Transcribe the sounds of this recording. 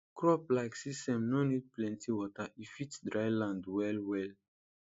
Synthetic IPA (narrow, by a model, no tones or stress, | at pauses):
kɹɔplaɪksistɛ̃mnɔ̃nid̚plɛ̃ntʰiwɔtaifitdɹajlãndwɛlwɛl